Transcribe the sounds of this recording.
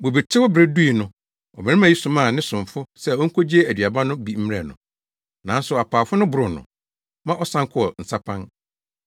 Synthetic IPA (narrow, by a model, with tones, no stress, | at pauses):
bo˨bi˨tʰɪ˦wɔ˦bɾɛ˦du˦i˨nʊ̃˦ | ɔ̰˨mɪ̃˨ñɪ˦mã˨˦i˦sʊ̃˨mã˦˨nɪ̃˦sʊ̃˨ɱfʊ˦sɛ˦˨ɔ˦ŋ̩˦kʰo˦d͡ʑi˦e˦æ˨di˨a˨bã˦nʊ̃˦bi˦m̩˦m˦ɛ˨nʊ̰̃˨ | nã˨n˦sʊ˨a˨pʰaː˨fʊ˦nʊ̃˦bʊ˨ɾʊ˨nʊ̰̃˨ | mã˦ʔɔ˦sã˦ŋ˦kʰʊ˦˨ɔ˨n̩˨sa˦pʰã˦n